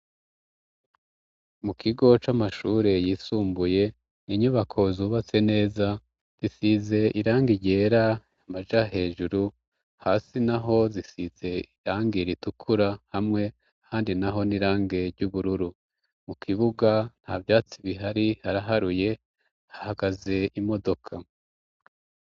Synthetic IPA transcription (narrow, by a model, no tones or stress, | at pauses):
mukʰiɡo̞t͡ʃamaʃuːɾe̞jiːsuːmbuje̞ | niɲuβakʰo̞zuːβat͡se̞ne̞ːza | z̥isize̞iɾaːŋɡiɟe̞ːɾa | amaʒaɦe̞ːʒuɾu | haːsinaɦo̞zisiz̥e̞iɾaːŋɡiɾitukʰuɾahamŋe̞ | ahaːndinaɦo̞niɾaːŋɡe̞ɾɟuβuɾuɾu | mukʰiβuɡan̥haːvjaːt͡siβiɦaɾihaɾaɦaɾuje̞ | hahaɡaze̞imo̞do̞kʰa